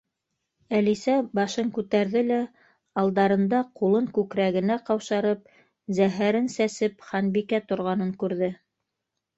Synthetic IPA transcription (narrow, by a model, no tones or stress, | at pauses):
ælisæbɑʃɤŋkʉt̪æɾðɘlæ | ɑlˠd̪ɑɾɤ̆nd̪ɑqulˠɤŋkʉkɾæɣɘ̆næqɑwʃɑɾɤp̚ | zæɦæɾɘnsæsɘpχɑnbikæt̪ŏɾʁɑnɤŋkʉɾðɘ